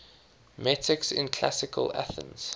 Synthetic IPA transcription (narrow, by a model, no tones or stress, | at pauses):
mɛtʰɪksɪ̰̃nkʰl̥a̰sɪkʰə̰la̰θə̰̃nz̥